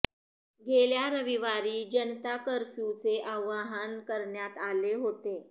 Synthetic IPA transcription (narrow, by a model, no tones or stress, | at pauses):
ɡʱeljaɾəʋiʋaɾiːd͡ʑənt̪akəɾfjut͡seʔaʋaɦaənkəɾɳjat̪aleɦot̪e